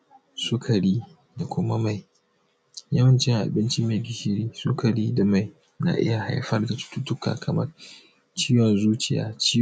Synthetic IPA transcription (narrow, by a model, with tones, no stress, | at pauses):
sʊ˦kʰa˨ɽiː˦ | da˨kʷʊ˦ma˦ma˨j | jɐ˦wɐ˦nt͡ʃɪ˦ŋʔa̰˨bɪ˦nt͡ʃi˦meː˨ɡʲɪ˨ʃɪ˦ɾiː˦sʊ˦kʰa˨ɽiː˦da˨ma˨j | na̰˨ʔɪ̰˦ja˨ha˨˦jɸɐ˦rda˨tʊ̥˦tu˦tʊ˦ka̰ː˨kʰɐ˨mɐ˦r | t͡ʃiː˦wɔ˨nzuː˦t͡ʃɪ˨ja̰ː˦t͡ʃiː˦